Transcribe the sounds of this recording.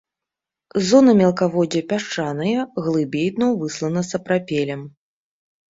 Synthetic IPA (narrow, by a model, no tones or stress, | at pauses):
zɔnɐmʲɛɐlˠkavɔd͡zʲɛpʲaʂt͡ʂanɐjɐɣlˠɨbʲejd̪nɐwvɨslˠɐnɐsɐpɾapʲelʲɛm